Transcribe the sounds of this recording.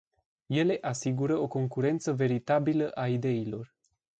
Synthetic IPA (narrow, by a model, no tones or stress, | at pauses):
je̞le̞ʔasiɡuɾəo̞ko̞ŋkuɾe̞nt̪səve̞ɾit̪abiləʔaid̪e̞ilo̞r